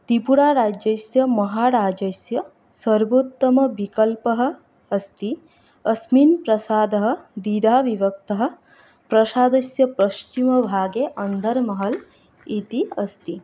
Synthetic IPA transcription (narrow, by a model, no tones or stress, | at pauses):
t̪ipuɾaːɾaːd͡ʒɐsjɐmɐɦaːɾaːd͡ʒɐsjɐ | sɐɾbut̪ːɐmɐʋikɐlpɐɦɐ̆ː | st̪i | ɐsmiːnpɾɐsaːd̪ɐɦɐ̆d̪id̪ʱaːʋiʋɐk̚t̪ɐɦɐ̆ | pɾɐʃaːd̪ɐsjɐpɾɐʃt͡ʃimɐbʱaːɡeʔɐnd̪ʱɐɾmɐɦɐl | it̪iɐst̪i